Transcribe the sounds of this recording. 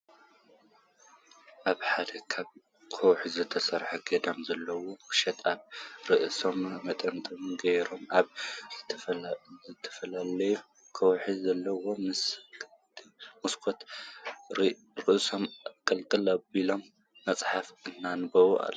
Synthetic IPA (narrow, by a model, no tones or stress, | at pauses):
ʔaβħad̪ɐkʰaβ | kʰowħizɨt̪ʰɐsɐɾħɐɡɐd̪amzɐlːɐwo̞muʃɐt̪aβɾɨʔso̞mmɐt̪ʼɐmt̪ʼomɡɐjɾo̞maβzɨt̪ʰɐzɨt̪ʰːɐ̥fɐlalɐju | kʰɐwħizɐlːɐwo̞mɨsk̪ʰ | muskʰot̪ɾ | ɾɨʔso̞mkʼɐlkʼɨlɐbilo̞mː | ɐt͡sʼħafɨnːanɨbɐwuʔa̰lː